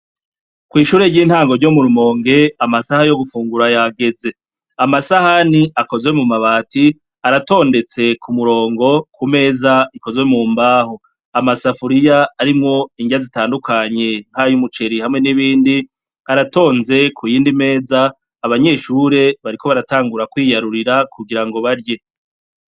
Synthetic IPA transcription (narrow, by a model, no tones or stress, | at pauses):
kwiːʃuːɾe̞ɾɟiːn̥haːŋɡoɾɟo̞muɾumo̞ːŋɡe̞amasahajo̞ɡufuːŋɡuɾajaɡe̞ze̞ | amasahaniʔako̞zwe̞mumaβaːti | aɾato̞ːnde̞t͡se̞kʰumuɾo̞ːŋɡo̞kume̞ːzaiko̞zwe̞muːmbaːho | amasafuɾijaːɾimŋo̞iŋɡiɾazitaːndukʰaɲe̞nhajumut͡ʃe̞ɾihamŋe̞niβiːndi | aɾato̞ːnze̞kʰujiːndime̞ːzaː | βaɲe̞ːʃuːɾe̞βaɾiko̞βaɾataːŋɡuɾakwiːjaɾuɾiɾakʰuɡiɾaŋɡo̞βaɾje